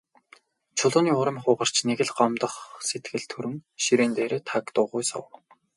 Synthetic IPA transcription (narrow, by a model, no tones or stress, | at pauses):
t͡ɕʰʊɮʊːniːʊɾə̆mχʊːʁə̆r̥t͡ɕneɣɘ̆ɮɢɔmt̪ə̆χset̪ɡɘ̆ɮt̪ʰɵɾɵ̆ŋʃiɾeːnt̪eːɾeːt̪ʰakt̪ʊːʁʊjsʊ̰w